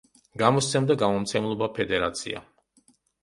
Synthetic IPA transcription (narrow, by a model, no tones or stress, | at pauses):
ɡamɔst̪sʰɛmd̪aɡamɔmt̪sʰɛmlˠɔbapʰɛd̪ɛɾa̰t̪sʰḭa̰